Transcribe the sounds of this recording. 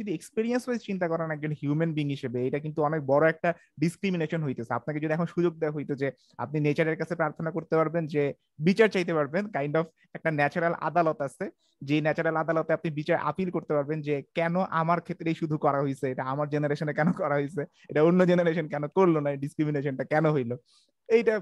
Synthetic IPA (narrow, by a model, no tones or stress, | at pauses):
od̪iekspiɾiensbejst͡ɕint̪akɔɾanɛk̚d͡ʑonhjumenbiːŋɦiʃebeejʈakint̪uɔnek̚bɔɾoɛk̚ʈa | ɖiskɾimineʃonɦojt̪esʰea̰pnak̬ed͡ʑod̪ʱiɛkʰonʃud͡ʑoɡ̚d̪eaɦojt̪od͡ʑe | a̰p̚ninet͡ɕaɾeɾkat͡ɕʰepɾaɾt̪ʰonakoɾt̪epaɾbend͡ʑe | bit͡ɕaɾt͡ɕajt̪epaɾbenkajɳɖɔfʰ | ɛk̚ʈanɛt͡ɕoɾalʔa̰d̪alot̪asʰe | d͡ʑenɛt͡ɕoɾalad̪alot̪eapnibit͡ɕaɾʔa̰pilkoɾt̪epaɾbend͡ʑekɛnoʔamaɾkʰet̪ːɾejʃud̪ʱukɔɾaɦojt͡ɕʰeeʈaamaɾd͡ʑenaɾeʃonekɛnokɔɾaɦojt͡ɕʰe | eʈaonːod͡ʑenaɾeʃonkɛnokoɾlonaeɖiskɾimineʃonʈakɛnoɦojlo | ejʈa